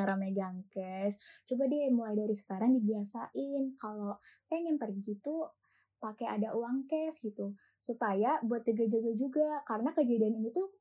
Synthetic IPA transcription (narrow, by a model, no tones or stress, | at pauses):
əɾameɡaŋkɛst͡ʃubadiamulajdaɾisə̥kaɾaŋdibiasaʔɪnkalopɛŋɛnpərɡit̪u | pakea̰daʔuwaŋkɛsɡit̪u | supajabuat̪ːəɡad͡ʒəɡad͡ʒuɡakaɾənakəd͡ʒadianinit̪u